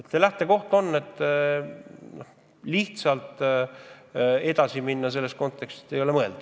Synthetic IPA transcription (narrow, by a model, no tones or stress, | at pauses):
et̪ːselæht̪ˑe̞ko̞ht̪o̞nːe̞t̪ˑː | noh | liht̪sɑlt̪ | e̞d̪ɑsiminːɑse̞lːe̞st̪ko̞nt̪ːˑe̞kst̪i̥t̪ːejo̞lemɤeld̪̥u